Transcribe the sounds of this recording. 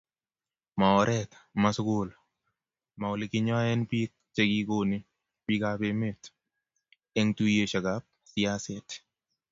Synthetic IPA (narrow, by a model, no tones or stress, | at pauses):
maɔɾɛt̪masɡʊl | maolɪkɪɲɔɛnpik̚ | t͡ʃeɡikoni | pikapemet̪ | ɛŋtujeʃakap̚sɪasɛt̪